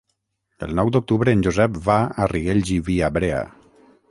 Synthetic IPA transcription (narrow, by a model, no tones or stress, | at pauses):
əlˠnɔwd̪uk̚t̪uβɾəːnʲʒuzɛpβaariɣeʎʒiβiaβɾea̰